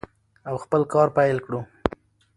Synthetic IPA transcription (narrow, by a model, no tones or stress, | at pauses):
awxpəlkɑɾpajlkɽu